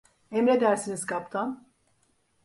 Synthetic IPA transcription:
emɾed̪æɾsiniz̥kʰapt̪ʰan

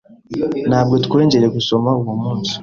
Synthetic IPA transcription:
naːbɡo̞tu̥kwe̞ːɲɟe̞ɾe̞ɡuso̞mauwomuːnsi̥

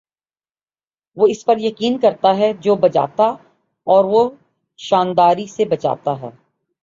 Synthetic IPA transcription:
ʋoːɪspɐɾjɐkiːnkɐɾt̪aɦɛd͡ʒoːbɐt͡ʃa̰ːt̪a | ɔːɾʋo | ʃaːnd̪aːɾisebɐt͡ʃa̰ːt̪aɦɛ̰ː

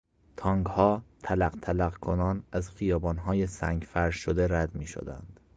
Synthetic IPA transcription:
t̪ʰɒːŋɡhɒːt̪ʰælæqt̪ʰælæɣkʰonɒːnæzxijɒːbɒːnɦɒːjesæŋɡfæɾʃod̪e̞ɾæd̪miːʃo̰d̪æ̰nd̪̥

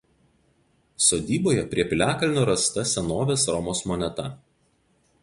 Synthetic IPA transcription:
soːd̪ʲiːboːjɛpʲɾʲiɛpʲlʲæːkɐlʲnʲʊːɾɐst̪ɐsʲɛnoːʋʲeːsɾɔmoːsmɔnʲɛt̪ɐ

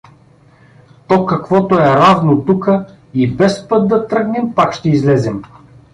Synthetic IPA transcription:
t̪ɔkɐkvɔt̪oɛɾavnot̪ukə | ibɛspɤt̪̚d̪ɐt̪ɾɤɡnɛmpakʃt̪ɛizlɛzɛm

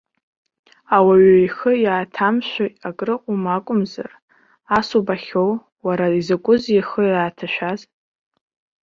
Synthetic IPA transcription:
awaɥaiχəjaːtʰamʃʷaakʼrɨqʷʼʊmakʷʼʊmza̰r | asubaχʲow | waɾaizakʷʼʊzjiχəjaːtʰaʃᶣaz

